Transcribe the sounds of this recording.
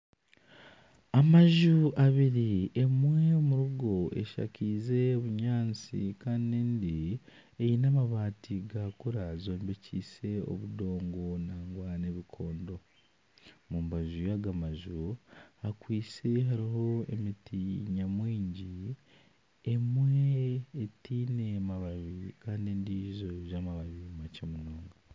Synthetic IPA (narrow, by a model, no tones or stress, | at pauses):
amaʒuʔaβiɾie̞mwe̞muɾuɡo̞e̞̰ʃa̰ciːze̞oβuɲaːnt͡sḭkanineːndi | ejinamaβaːtiɡakuɾazo̞ːmbecʰiːse̞o̞̰βudo̞ːŋɡo̞naːŋɡwane̞βikʰo̞ːndo̞ | muːmbaʒujaɡamaʒuakwiːse̞ɦaɾiɦo̞ḛmitiɲamwiːɲɟi | emweːtiːne̞maβaβikaːneːndizo̞ʒamaβaβimacemunoːŋɡa